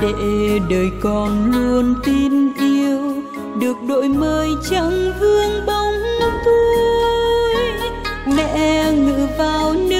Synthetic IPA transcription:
ɗḛ˧˨ɗəː˨˩jkɔ˨˩nlu˧ənt̪i˧nʔi˧əw | ɗɨ˨˩ək̚ɗo̰˧˨jməː˧jt͡ɕə˧ŋvɨ˧əŋɓa˧wŋ͡mt̪u˧ | j | mɛ̰˧˥ŋɨ̰˧˥vaː˨˩wnɨ˧˥

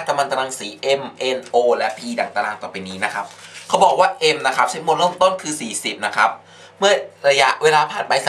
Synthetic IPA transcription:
ka˧ma˧nt̪a˧la˧ŋsiː˩˦ʔe˧mʔe˧nʔoː˧lɛ˦˥ʔpʰiː˧da˨˩ŋt̪aː˧laː˧˩ŋt̪ɔː˨˩pa˧jniː˦˥na˦˥kʰa˦˥p̚kʰa˦˥wbɔː˨˩k̚waː˥˩ʔe˧mna˦˥kʰa˦˥p̚t͡ɕʰa˦˥jmo˧nɾɤ˥˩˨mt̪o˥˩nkʰɯː˧siː˨˩si˨˩p̚na˦˥kʰa˦˥p̚ | mɯ˥˩ɐɾa˧ja˦˥ʔweː˧laː˧pʰaː˨˩t̪̚pa˧jsa˨˦

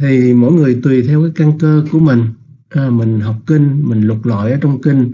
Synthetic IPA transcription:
t̪ʰi˨˩mo̰˧˥jŋɨ˨˩əjt̪wi˨˩t̪ʰɛ˧wkaː˨˦jka˧nkəː˧ku˧˩əmï˨˩ŋ̟ʔːmï˨˩ŋ̟ɦa˨˩wk͡p̚kï˧ŋ̟mï˨˩ŋ̟lʊ˨˩t̚la̰˧˨jʔəː˨˦t͡ɕɔ˧wŋ͡mkï˧ŋ̟

